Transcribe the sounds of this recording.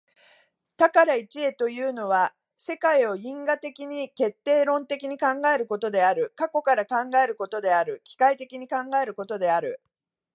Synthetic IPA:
t̪akaɾait͡ɕie̞t̪o̞jɯ̟ːno̞βa | se̞kaio̞ĩŋɡat̪e̞kʲiɲ̟ike̞t̪ːe̞ːɾõ̞nt̪e̞kʲiɲ̟ikãŋɡae̞ɾɯ̟ko̞t̪o̞d̪e̞aɾɯ̟kako̞kaɾakãŋɡae̞ɾɯ̟ko̞t̪o̞d̪e̞aɾɯ̟kʲi̥kait̪e̞kʲiɲ̟ikãŋɡae̞ɾɯ̟ko̞t̪o̞d̪e̞aɾɯ̟

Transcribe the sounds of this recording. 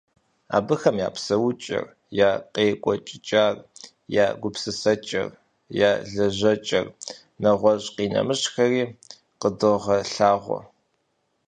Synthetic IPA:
a̰ːbɨxɐmja̰ːpsɐwʊt͡ʃʼɪ̰r | jaːqeːkʷʼɔt͡ʃʼɪt͡ʃʼaːr | jaːɡʷʊpsɨsɐt͡ʃʼɐ̰r | jaːɮɐʑɐt͡ʃʼɐ̰r | nɐʁʷɔʑqiːnɐ̰mɨɕxɐriː | qədoʁɐɬaːʁʷɔ̰

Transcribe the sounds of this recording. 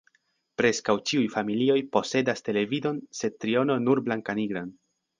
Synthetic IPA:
pɾe̞skawt͡ʃiujfamilio̞jpo̞se̞daste̞le̞vido̞nse̞d̚t̪ɾio̞no̞nuɾblaŋkaniɡɾan

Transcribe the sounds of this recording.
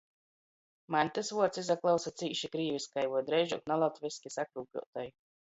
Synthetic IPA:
manʲt̪asvuɔt̪sizaklˠawsat̪siːʃikɾiːvʲiskajvuɔd̪ɾɛjʒuk̪nalˠat̪vʲiskʲisakɾuːkʲṵɔt̪aj

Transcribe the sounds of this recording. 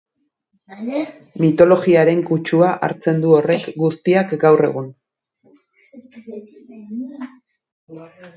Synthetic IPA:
mit̪o̞lo̞ɣiaɾe̞ŋkut͡ʃuaʔa̰ɾt͡se̞nd̪uo̞re̞kɡust̪iakɡawre̞̰ɣ̞un

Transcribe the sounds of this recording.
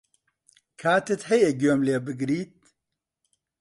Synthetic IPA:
kʰaːt̪ʰɨt̪hɛjeɡoːmleːbɨɡɾiːt̪̚

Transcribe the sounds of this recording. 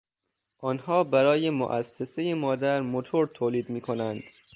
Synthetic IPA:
ʔɒːnhɒːbæɾɒːje̞mo̰ʔæsːesejemɒːd̪æɾmot̪ʰoɾt̪ʰoːliːd̪miːkʰo̞nænd̪̥

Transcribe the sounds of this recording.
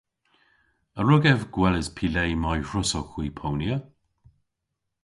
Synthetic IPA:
əɹʊɡɛvɡwɛləzpʰilejmajɹʊsɔxwiːpʰownjə

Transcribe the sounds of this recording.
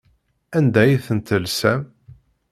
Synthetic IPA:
ænd̪æjiθənt̪əlsæm

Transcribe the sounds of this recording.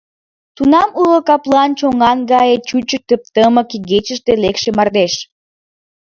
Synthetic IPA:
t̪unɑmulokɑplɑnt͡ɕoŋɑnɡɑjet͡ɕut͡ɕət̪əp̚t̪əməkiɡet͡ɕəʃt̪elekʃemɑrd̪eʃ

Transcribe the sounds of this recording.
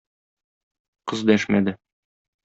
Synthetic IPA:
qɤzd̪æʃmæd̪ɘ

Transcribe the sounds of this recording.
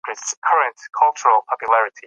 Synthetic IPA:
ɪskʰʌɹə̃ntkʰʌlˠt͡ʃəɹəlˠpʰɑpjulæɹɪtʰi

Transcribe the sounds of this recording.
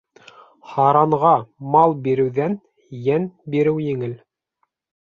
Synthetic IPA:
hɑɾɑɴʁɑmɑlˠbiɾɘ̆wðæn | jænbiɾɘwjɘ̆ŋɘl

